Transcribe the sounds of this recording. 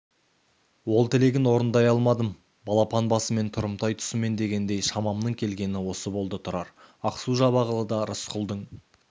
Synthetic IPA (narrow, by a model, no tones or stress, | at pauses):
wo̞lˠt̪ʰɪle̞ɡʲɪnwo̞ɾənd̪ɑjɑlˠmɑd̪əm | bɑlˠɑpɑnbɑsəme̞nt̪ʰʊɾəmt̪ɑjt̪ʰʊ̥səme̞nd̪e̞ɡʲe̞nd̪e̞jʃɑmɑmnəɴkʲʰe̞lɡʲe̞nɪwo̞səbo̞lˠd̪ət̪ʰʊɾɑɾ | ɑqsuʒɑbɑʁəlˠəd̪ɑɾʊsqʰʊlˠd̪əɴ